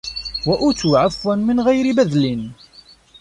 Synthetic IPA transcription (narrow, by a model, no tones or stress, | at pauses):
wæʔut̪uʕafwænmɪnʁæjɾibæðlin